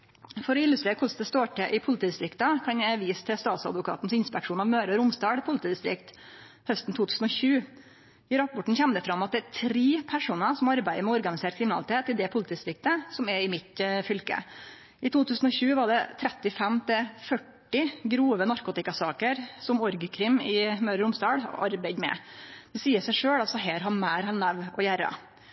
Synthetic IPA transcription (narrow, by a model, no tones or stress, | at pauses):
fɔɾɔɪlʉst̪ɾeːɾəkʊsd̪ɛst̪oːʈʰɛʔɪpʰʊlɪt̪iːd̪ɪst̪ɾɪkt̪əkʰɑnæʋiːst̪ʰɪst̪ɑːt̪sɑ̰d̪ʋʊkʰɑ̰ːt̪nsɪnspɛkʂuːnɑʋmøːɾəɾʊmsd̪ɑːɽpʰʊlɪt̪iːd̪ɪst̪ɾɪ̰kt̪ | hœst̪n̩t̪ʰuːt̪ʰʉːsn̩ɔɕʉː | ɪɾɑpːɔʈɳ̩çɛmd̪əfɾɑmːɑt̪̚d̪ɛæt̪ʰɾiːpʰæʂuːnəsɔmɑɾbæɪd̪əmɛɔɾɡɑnɪseːʈkʰɾɪmɪnɑ̰lɪt̪ʰeːt̪ːɪd̪ɛpʰʊlt̪ʰiːd̪ɪst̪ɾɪk̚t̪əsɔmɛɪmɪt̪fʏlkə̰ | ɪt̪ʰuːt̪ʉːsn̩ɔɕʉːʋɑɖɛt̪ʰɾɛt̪ːɪfɛmt̪ʰɪfœʈːɪɡɾuːʋənɑɾkʊt̪ɪkɑsɑːkəɾsɔmɔɾɡəkʰɾɪmɪmœːɾɾʊmsd̪ɑːɽɑ̰ɾbæɪd̪mɛ̰d̪̥ɛsiːəsæɪʂøːɽɑlsɔɦeːɾɦɑnmæːɾɛnːæʋɔjæːɾɑ̰